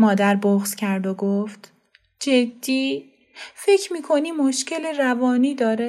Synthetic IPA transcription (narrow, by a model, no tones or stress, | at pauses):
mɒːd̪æɾboxscʰæɾd̪oɡoft̪ | d͡ʒed̪ːiː | fe̞cʰmiːkʰo̞niːmːoʃceleɾævɒːniːd̪ɒːɾe